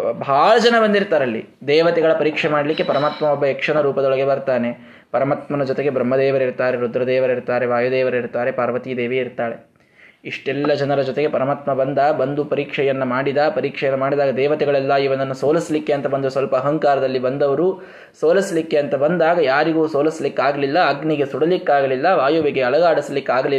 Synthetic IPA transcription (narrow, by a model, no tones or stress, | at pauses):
bʱaːlɐd͡ʒɐnɐbɐnd̪iɾt̪aːɾɐlːḭd̪ɛːʋɐt̪ɛɡɐɭɐpɐɾiːkʂɛmaːɽɐlikːe̞pɐɾɐmaːt̪mɐɔbːɐɛkʂɐɳɐɾuːpɐd̪ɔɭɐɡe̞bɐɾt̪aːne̞ | pɐɾɐmaːt̪mɐnɐd͡ʒɔt̪eɡe̞bɾɐmːɐd̪ɛːʋɐɾiɾt̪aːɾeɾod̪ɾɐd̪ɛːʋɐɾiɾt̪aːɾe̞ʋaːjud̪ɛːʋɐɾiɾt̪aːɾe̞paːɾʋɐt̪id̪eːʋiiɾt̪aːɭe̞ | iʂʈɛlːɐd͡ʒɐnɐɾɐd͡ʒɔt̪e̞ɡe̞pɐɾɐmaːt̪mɐbɐnd̪ɐbɐnd̪upɐɾiːkʂɛjɐnːɐmaːɽid̪ɐpɐɾiːkʂɛjɐnːɐmaːɽid̪aːɡɐd̪ɛːʋɐt̪ɛɡɐɭɛlːɐiʋɐnɐnːɐsoːlɐsɐlikːeɐnt̪ɐbɐnd̪ɐusʋɐlpɐːɦɐŋkaːɾɐd̪ɐlːibɐnd̪ɐʋɐɾu | soːlɐsɐlikːe̞ɐnt̪ɐbɐnd̪aːɡɐjaːɾiɡuːsoːlɐsɐlikːaːɡɐlilːɐːɡniɡe̞suɽɐlikːaːɡɐlilːɐʋaːjuʋiɡe̞ɐɭɐɡaːɽɐslikːaːɡɐli